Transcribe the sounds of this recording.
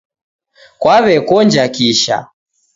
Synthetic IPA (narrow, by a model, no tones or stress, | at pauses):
kwaβɛkɔnd͡ʒakiʃa̰